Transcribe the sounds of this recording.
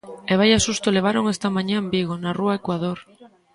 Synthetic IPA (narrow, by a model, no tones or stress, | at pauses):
eβ̞ajasust̪oleβ̞aɾoŋest̪amãɲãmbiɣonaruaekwaðoɾ